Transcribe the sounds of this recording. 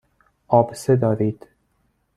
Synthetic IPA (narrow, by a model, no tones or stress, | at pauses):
ɒːbsed̪ɒːɾiːd̪̥